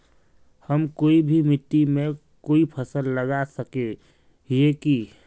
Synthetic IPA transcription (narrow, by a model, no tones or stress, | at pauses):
həmkoːibʱimɪt̪ːimẽ | koːipʰəsəlːəɡasəke | jeki